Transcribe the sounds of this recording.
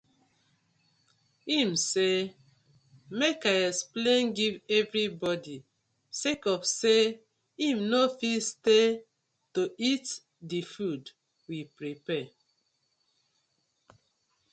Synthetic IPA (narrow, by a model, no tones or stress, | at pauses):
imse | mekajɛsplẽnɡivɛvɹibɔdi | sekɔfse | ĩmnofiste | toʔit | difud | wipɹipɛ